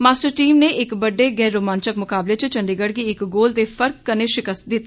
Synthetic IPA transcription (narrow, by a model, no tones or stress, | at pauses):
maːsʈəɾʈiːmneːʔɪkbəɖːeːɡɛːɾːoːmãːnt͡ʃəkmʊkaːbleːt͡ʃt͡ʃəɳɖeːɡəɽɡiːɪkɡoːld̪eːpʰəɾk̚ːəneːʃɪkəs̚d̪ɪt̪ː